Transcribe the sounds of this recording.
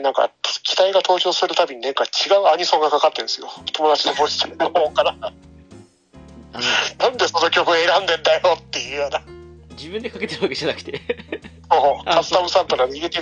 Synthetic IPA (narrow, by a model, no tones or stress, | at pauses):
nãŋka̰kʲi̥t̪aiɡat̪ʰo̞ːt͡ɕo̞ːsɨɾɯ̟t̪abʲiɲ̟inẽ̞ŋkat͡ɕiɡaɯ̟aɲisõŋɡakakat̪ːẽ̞ɰ̃sɨjo̞̰t̪o̞mod̪at͡ɕinoboɕi̥t̪eɾɯnːohoːkaɾa | nãnd̪e̞so̞no̞kʲo̞kɯeɾãnd̪e̞nd̪ajot̪ːe̞jɯ̟ːjoːnad͡ʑibɯ̟̃nd̪ekaket̪eɾɯβakeʑanakɯ̥t̪esoːoːkḁt̪amɯsãnt̪oɾad̪eiɾe̞t̪e